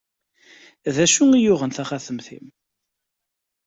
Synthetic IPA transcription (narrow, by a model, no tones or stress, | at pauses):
ðæʃuŋijʊʁənθæχæθəmθḭm